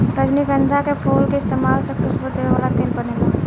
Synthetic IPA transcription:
ɾəd͡ʒniɡə̃nd̪ʱakefʰoːlkeɪst̪eːmaːlsekʰʊsbʊt̪ːeʋeʋaːlat̪eːlbɐneːɡaː

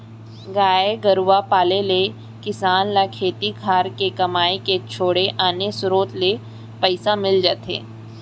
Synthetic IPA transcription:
ɡaːeɡɐɾʋapaːlele | kɪsaːnlakʰeːt̪ikʰaːɾkekɐmaːeket͡ʃʰoːɽeʔaːnesʊɾoːt̪le | pəɪsamɪld͡ʒaːt̪ḛː

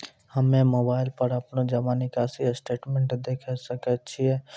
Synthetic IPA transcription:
hɐmẽmoːbaːɪlpəɾɐpnod͡ʒɐʋaːnikaːsisʈeːʈmẽːɳʈd̪eːkʰəsɐkət͡ʃʰiɛ

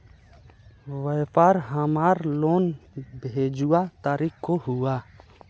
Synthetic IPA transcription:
ʋəjpaːɾɦəmaːɾloːnbʱeːd͡ʒuat̪aːɾikkoɦuaː

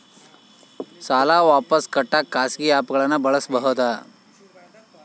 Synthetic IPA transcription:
saːlaʋaːpəskɐʈːakːaːsɡiaːpɡɐɭanːɐbɐɭəsbəɦot̪a

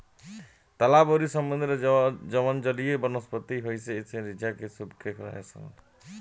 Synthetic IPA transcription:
t̪alaboɾiʃɔmbund̪ɾed͡ʒɔbɔnd͡ʒɔlijebɔnospɔt̪ːiɦojsʰeet͡ʃʰeɾid͡ʑakesubkɾekɾa̰ɦḛsa̰n

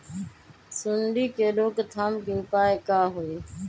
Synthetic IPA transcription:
sʊɳɖiːkeːɾoːkt̪ʰaːmkeːʊpaːeːkaːɦoːiː

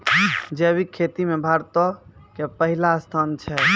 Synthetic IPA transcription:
d͡ʒebʱikʰet̪imebʱaɾt̪ɔkepəɦilast̪ʰant͡ʃʰɛ

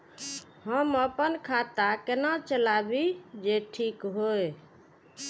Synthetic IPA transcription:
ɦəməpənkʰat̪akenat͡ʃəlabid͡ʒeʈʰikɦoj

